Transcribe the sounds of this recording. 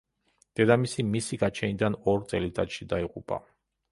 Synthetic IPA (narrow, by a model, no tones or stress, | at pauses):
d̪̥ɛd̪amisimisiɡat͡ʃʰɛnid̪anɔɾt̪sʼɛlit̪ʼad̪ʃid̪aiqʼupʼa̰